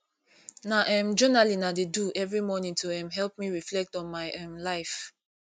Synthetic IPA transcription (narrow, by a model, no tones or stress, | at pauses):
naʔɛ̃md͡ʒɔnalinadeduʔɛvɹimɔnĩŋtʰuɛ̃mɦɛlp̚miɹiflɛk̚tɔ̃nmaɪʔɛ̃mlaɪf